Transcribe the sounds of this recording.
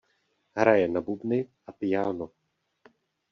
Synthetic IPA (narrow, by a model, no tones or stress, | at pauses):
ɦɾajɛnabubnɪʔapɪjaːno